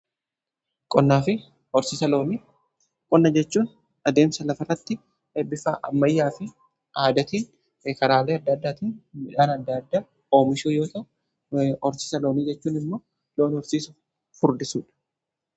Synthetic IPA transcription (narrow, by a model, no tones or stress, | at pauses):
kʼɔnːaːfɪ | ɔɾsɪsɐloːniː | kʼɔnːɐd͡ʒɛt͡ʃːuːn | ɐd̪eːmsɐlɐfɐrːɐt̪ːɪ | ebːɪfa̰ːʔɐ̰mːɐjːaːfɪ | aːd̪ɐt̪iːn | kɐɾaːleːɐd̪ːɐd̪ːaːt̪iːnmɪᶑaːnɐd̪ːɐd̪ːaː | oːmɪʃuːjo̞ːt̪ɐ | ɔɾsɪsɐlo̞ːniːd͡ʒɛt͡ʃːuːnɪmːoː | lo̞ːnɔɾsiːsʊ | fʊɾd̪ɪsuːᶑɐ̥